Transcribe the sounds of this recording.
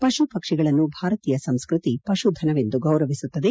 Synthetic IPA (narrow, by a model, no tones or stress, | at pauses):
pɐʃupɐkʂiɡɐɭɐnːubʱaːɾɐt̪iːjɐsɐmskɾut̪ipɐʃud̪ʱɐnɐʋe̞nd̪uɡɐwɾɐʋisut̪ːɐd̪e̞